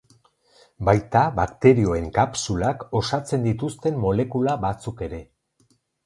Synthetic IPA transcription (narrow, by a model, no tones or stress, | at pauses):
bajt̪aβakt̪e̞ɾio̞e̞ŋkapsulako̞sat͡se̞nd̪it̪ust̪e̞mmo̞le̞kulaβat͡suke̞ɾe̞